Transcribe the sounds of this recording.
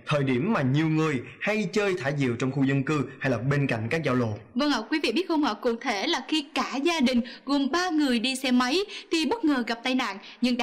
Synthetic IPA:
t̪ʰəː˨˩jɗi˧˩əmːaː˨˩ɲi˨˩əwŋɨ˨˩əjha˧jt͡ɕəː˧jt̪ʰaː˧˩jzḭ˧˨əwt͡ɕɔ˧wŋ͡mxu˧zə˧nkɨ˧ha˧jlaː˨˩p̚ɓe˧nka̰˧˨jŋ̟kaː˦˥k̚zaː˧wla̰˧˨nvə˧ŋa˧˩kwi˨˦vḭ˧˨ɓi˦˥t̚xə˧ŋ͡mhɔ̰˧˨kṵ˧˩˨t̪ʰe˧˩laː˨˩xi˧kaː˧˩zaː˧ɗï˨˩ŋ̟ɣo˨˩mɓaː˧ŋɨ˨˩əjɗi˧sɛ˧ma˨˦jt̪ʰi˨˩ɓə˦˥t̚ŋəː˨˩ɣa˨˩p̚t̪a˧jna̰ː˧˨n | ɲɨ˧ŋɗa˧

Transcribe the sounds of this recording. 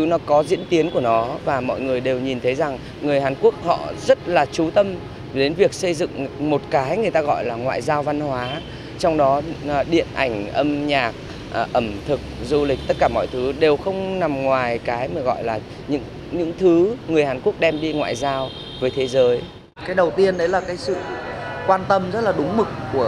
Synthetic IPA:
ɨ˨˦nɔ˨˦kɔ˨˦zḭ˧˥ənt̪i˨˦ənku˧˩ənɔ˨˦vaː˨˩mɔ̰˧˨jŋɨ˨˩əjɗe˨˩wɲi˨˩nt̪ʰə˨˦jza˨˩ŋ | ŋɨ˨˩əjɦaː˨˩nku˦˥ək̚hɔ̰˧˨zə˦˥t̚laː˨˩t͡ɕu˨˦t̪ə˧m | ɗe˨˦nvi˨˩ək̚sə˧jzɨ̰˧˨ŋmo˨˩t̚kaː˨˦jŋɨ˨˩əjt̪aː˧ɣɔ̰˧˨jlaː˨˩ŋwa̰ː˧˨jzaː˧wva˧nhwaː˨˦ | t͡ɕɔ˧wŋ͡mɗɔ˨˦˨ɗḭ˧˨ənʔa˧˩jŋ̟ʔə˧mɲaː˨˩k̚ | ʔʔə˧˩mt̪ʰɨ˨˩k̚zu˧lï˨˩k̟̚t̪ə˦˥t̚kaː˧˩mɔ̰˧˨jt̪ʰɨ˨˦ɗe˨˩wxə˧wŋ͡mna˨˩mŋwaː˨˩jkaː˨˦jmaː˨˩ɣɔ̰˧˨jlaː˨˩ | ɲɨ̰˧˥ŋ | ɲɨ̰˧˥ŋt̪ʰɨ˨˦ŋɨ˨˩əjhaː˨˩nku˦˥ək̚ɗɛ˧mɗi˧ŋwa̰ː˧˨jzaː˧w | vəː˨˦jt̪ʰe˨˦zəː˨˦j | kaː˨˦jɗə˨˩wt̪i˧ənʔɗə˨˦jlaː˨˩kaː˨˦jsɨ̰˧˨kwaː˧nt̪ə˧mzə˦˥t̚laː˨˩ɗʊ˨˦ŋ͡mmɨ˨˩k̚ːu˧˩ə

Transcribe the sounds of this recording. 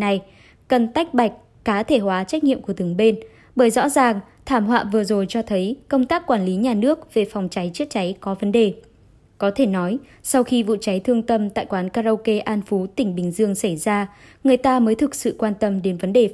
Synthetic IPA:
na˨˩j | kə˨˩nt̪a˦˥jk̟̚ɓa˨˩jk̟̚ːaː˨˦t̪ʰe˧˩hwaː˨˦t͡ɕa˦˥k̚ɲḭ˧əmku˧˩ət̪ɨ˨˩əŋɓe˧n | ɓəː˧˩jzɔ̰˧˥zaː˨˩ŋ | t̪ʰaː˧˩mɦwa̰ː˧˨vɨ˨˩əzo˨˩jt͡ɕɔ˧t̪ʰə˨˦jkə˧wŋ͡mt̪aː˦˥k̚ːwaː˧˩nli˨˦ɲaː˨˩nɨ˦˥ək̚ve˨˩fa˨˩wŋ͡mt͡ɕa˨˦jt͡ɕɨ˦˥ək̚t͡ɕa˨˦jkɔ˨˦və˨˦nɗe˨˩ | kɔ˨˦t̪ʰe˧˩nɔ˨˦j | sa˧wxi˧vṵ˧˨t͡ɕa˨˦jt̪ʰɨ˧əŋt̪ə˧mt̪a̰ː˧˨jkwaː˨˦nkaː˧zə˧wke˧ʔaː˧nfu˨˦t̪ï˧˩ŋ̟ɓï˨˩ŋ̟zɨ˧əŋsa˧˩jzaː˧ | ŋɨ˨˩əjt̪aː˧məː˨˦jt̪ʰɨ˨˩k̚sɨ̰˧˨kwaː˧nt̪ə˧mɗe˨˦nvə˨˦nɗe˨˩

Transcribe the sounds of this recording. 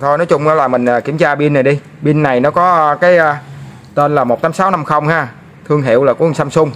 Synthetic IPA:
t̪ʰo˧jnɔ˨˦jt͡ɕʊ˧ŋ͡maː˨˦laː˨˩mï˨˩ŋ̟ʔaː˨˩kḭ˧˩əmt͡ɕaː˧ɓi˧nːa˨˩jɗi˧ | ɓi˧nːa˨˩jnɔ˨˦kɔ˨˦˧kaː˨˦jʔəː˧ | t̪e˧nlaː˨˩mo˨˩t̚t̪ʰaː˨˦msaː˨˦wna˧mxə˧wŋ͡mhaː˧ | t̪ʰɨ˧əŋɦḭ˧˨əwlaː˨˩ku˨˦˨ŋsa˧msʊ˧ŋ͡m

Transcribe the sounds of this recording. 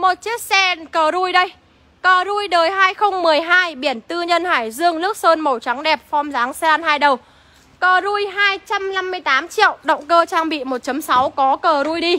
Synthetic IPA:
mo˨˩t̚t͡ɕi˦˥ək̚sɛ˧nkəː˨˩zu˧jɗə˧j | kəː˨˩zu˧jɗəː˨˩jɦaː˧jxə˧wŋ͡mmɨ˨˩əjɦaː˧jɓi˧˩ənt̪ɨ˧ɲə˧nhaː˧˩jzɨ˧əŋnɨ˦˥ək̚səː˧nmə˨˩wt͡ɕa˨˦ŋɗɛ˨˩p̚fɔ˧mzaː˨˦ŋsɛ˧ʔa˧nhaː˧jɗə˨˩w | kəː˨˩zu˧jɦaː˧jt͡ɕa˧mla˧mːɨ˧əjt̪aː˨˦mt͡ɕḭ˧˨əwɗə̰˧˨wŋ͡mkəː˧t͡ɕaː˧ŋɓḭ˧˨mo˨˩t̚t͡ɕə˨˦msa˨˦wkɔ˨˦kəː˨˩zu˧jɗi˧

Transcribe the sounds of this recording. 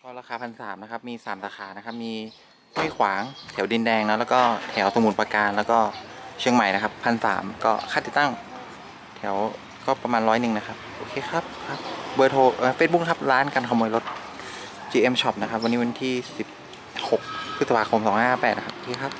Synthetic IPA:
kʰɔ˧˥˩ɾaː˧xaː˧pʰa˧nsaː˩˦mna˦˥kʰa˦˥p̚miː˧saː˩˦msaː˧xaː˩˦na˦˥kʰa˦˥p̚miː˧ | nu˥˩˨jkʰwaː˩˦ŋt̪ʰi˩˦wdi˧ndɛː˧ŋnɔː˦˥lɛː˦˥kɔː˥˩t̪ʰi˩˦wso˧˦mu˨˩˦npa˧kaː˧nlɛː˦˥wkɔː˥˩t͡ɕʰɯ˧əŋma˨˩jna˦˥kʰa˦˥pʰːa˧nsa̰ː˩˦mkɔː˥˩kʰaː˥˩t̪i˨˩t̪a˥˩ŋ | t̪ʰi˩˦əw | kɔː˥˩pɾa˧maː˧nɾɔː˦˥jnɯ˨˩ŋna˦˥kʰa˦˥p̚ʔoː˧kʰeː˧xʰa˦˥p̚kʰa˦˥p̚bɤː˧˥t̪ʰoː˧ʔɤː˧feː˧˦˥t̚bu˧˥k̚kʰa˦˥p̚ɾaː˦˥nkaː˧nkʰa˧mːu˧jlo˦˥t̪̚ | t͡ɕiː˧ʔe˧mt͡ɕʰɔ˦˥˩p̚na˦kʰa˦˥p̚wa˧niː˦˥wa˧nt̪ʰiː˥˩si˨˩p̚ | ho˨˩k̚ʰɾɯ˦˥t̪sa˧pʰaː˧kʰo˧msɔː˨˩˦ŋhaː˥˩pɛː˨˩na˦˥kʰa˦˥pʔoː˧kʰeː˧kʰa˦˥p̚

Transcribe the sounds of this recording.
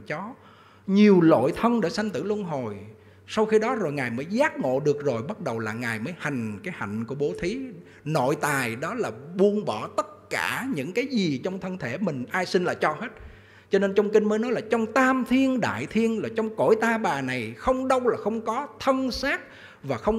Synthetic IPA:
t͡ɕɔ˨˦ | ɲi˨˩əwlo̰˧˨jt̪ʰə˧nɗḛ˧˩sa˧jŋ̟t̪ɨ̰˧˩lu˧ənɦo˨˩j | sa˧wxi˧ɗɔ˨˦zo˨˩jŋaː˨˩jməː˨˦jzaː˦˥k̚ŋo̰˧˨ɗɨ˨˩ək̚zo˨˩jɓə˦˥t̚ɗə˨˩wlaː˨˩ŋaː˨˩jməː˨˦jha˨˩jŋ̟kaː˨˦jha̰˧˨jŋ̟ku˧˩əɓo˨˦t̪ʰi˨˦ | no̰˧˨jt̪aː˨˩jɗɔ˨˦laː˨˩ɓu˧ənɓɔ˧˩t̪ə˦˥t̚kaː˧˩ɲɨ̰˧˥ŋkaː˨˦jzi˨˩t͡ɕɔ˧wŋ͡mt̪ʰə˧nt̪ʰe˧˩mï˨˩ŋ̟ʔaː˧jsï˧nlaː˨˩t͡ɕɔ˧he˦˥t̚ | t͡ɕɔ˧ne˧nt͡ɕɔ˧wŋ͡mki˧ŋ̟məː˨˦jnɔ˨˦jlaː˨˩t͡ɕɔ˧wŋ͡mt̪aː˧mt̪ʰi˧ənɗa̰ː˧˨jt̪ʰi˧ənlaː˨˩t͡ɕɔ˧wŋ͡mko̰˧˩˨jt̪aː˧ɓaː˨˩na˨˩jxə˧wŋ͡mɗə˧wlaː˨˩xə˧wŋ͡mkɔ˨˦t̪ʰə˧nsaː˦˥k̚ | vaː˨˩xə˧wŋ͡m

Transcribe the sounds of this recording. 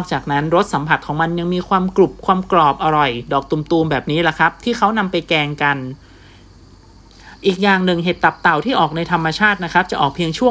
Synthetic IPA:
nɔː˥˩k̚t͡ɕaː˨˩k̚na˦˥nɾo˦˥t̪̚sa˩˦mpʰa˨˩t̪̚kʰɔː˩˦ŋma˧nja˧ŋmiː˧kʰwaː˧mklu˨˩p̚kʰwaː˧mklɔː˨˩p̚ʔa˧ɾɔ˨˩jdɔː˨˩k̚t̪u˨˧mt̪uː˧mbɛː˨˩p̚niː˦˥la˧˩kʰɾa˦˥p̚t̪ʰiː˥˩xʰa˦˥wna˧mpa˧jkɛː˧ŋka˧n | ʔiː˨˩k̚jaː˨˩ŋnɯ˨˩ŋɦeː˨˩t̪ːa˨˩p̚t̪a˨˩wt̪ʰiː˥˩ʔɔː˨˩k̚na˧jt̪ʰa˧mːa˧t͡ɕʰaː˥˩t̪̚na˦˥kʰa˦˥p̚t͡ɕa˨˩ʔɔː˨˩k̚pʰi˧əŋt͡ɕʰu˥˩ə

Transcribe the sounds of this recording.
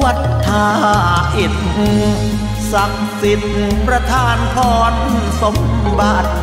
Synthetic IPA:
wa˨˩t̪ʰːaː˧ʔe˨˩t̪̚hu˧˩ | sa˨˩k̚si˨˩t̪̚pɾa˧t̪ʰaː˧˩nkʰɔː˨˦n | so˨˦m | ba˨˩t̪̚

